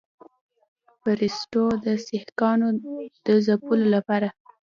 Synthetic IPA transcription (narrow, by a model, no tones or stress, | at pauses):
faɾɪsʈod̪əsɪhkɑnod̪̥əzapulolapɑɾa